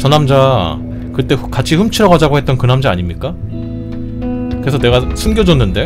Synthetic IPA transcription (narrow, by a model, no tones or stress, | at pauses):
t͡ɕʌnamd͡ʑa | kɯt͈e̞kat͡ɕʰiɸɯmt͡ɕʰiɾʌɡad͡ʑaɡohe̞t̚t͈ʌnkɯnamd͡ʑaa̰ɲimɲik͈a | kɯɾe̞sʰʌne̞ɡasʰumɡʲjʌd͡ʑʌnːɯnde̞